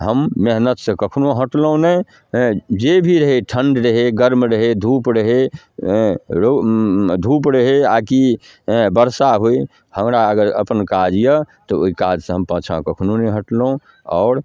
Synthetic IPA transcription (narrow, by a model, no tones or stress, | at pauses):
ɦəmːeɦnət̪sẽkəkʰnoɦəʈlõnɛ | d͡ʒebʱiɾəɦeʈʰəɳɖɾəɦeɡəɾmɾəɦed̪ʱupɾəɦe | ɾod̪ʱupɾəɦeaki | bəɾsaɦoi | həmɾaəɡəɾə̰pənkad͡ʒjət̪ɔoikad͡ʒsẽɦəmpãːt͡ʃʰã̰kəkʰnoneɦəʈlõ | ɔ̰ːɾ